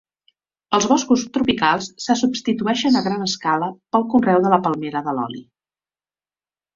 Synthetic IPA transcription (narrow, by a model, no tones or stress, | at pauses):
əlˠzβɔskust̪ɾupikalˠsːəsupst̪it̪uɛʃənəɣɾanəskaləpəlˠkunrɛwðələpəlˠmeɾəðəlɔ̰lḭ